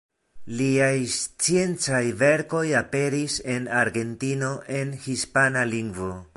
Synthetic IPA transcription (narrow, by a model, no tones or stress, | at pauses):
liajst͡sje̞nt͡sajve̞ɾko̞jape̞ɾise̞naɾɡe̞ntino̞ʔe̞nhispanaliŋɡvo̞